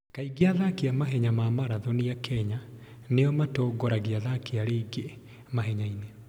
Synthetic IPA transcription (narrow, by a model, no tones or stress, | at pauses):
kaiɡeaðakiamaɦɛɲamamaɾaðɔnijakʰɛɲa | nejɔmatɔɡɔɾaɣiaðakiaɾeiɡe | maɦɛɲaine